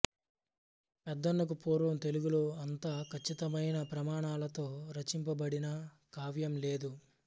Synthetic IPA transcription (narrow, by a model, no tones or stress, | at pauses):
pɛd̪ːɐnːɐk̬upoːɾʋɐmt̪eluɡuloːɐnt̪aːkʰɐt͡ʃːit̪ɐmɐjnɐpɾɐmaːɳaːlɐt̪o̞ːɾɐt͡ʃimpɐbɐɽinɐ | kaːʋjɐmle̞ːd̪u